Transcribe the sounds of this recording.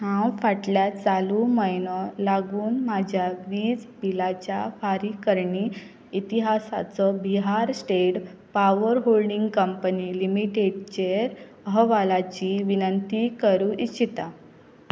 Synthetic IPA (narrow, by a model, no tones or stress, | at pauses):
hãwfaʈljat͡saluməjnɔlaɡuːnmad͡ʑʱjaʋiːd͡zbilat͡ɕjafaɾikəɾɳi | it̪iɦasa̰t͡sɔbiɦaɾsʈeʈpaʋəɾɦolɖiŋɡkəmpənilimiʈeɖt͡ɕeɾ | əɦəʋalat͡ɕiʋinənt̪ikəɾuʔit͡ɕʰit̪a